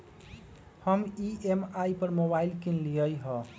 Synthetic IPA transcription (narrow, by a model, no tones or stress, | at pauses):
həmiemajpəɾmoβailkinlijəjɦə